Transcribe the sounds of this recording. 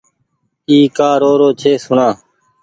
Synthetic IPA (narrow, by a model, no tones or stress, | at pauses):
iːkaːɾoːɾoːt͡ʃʰeːsʊɳãː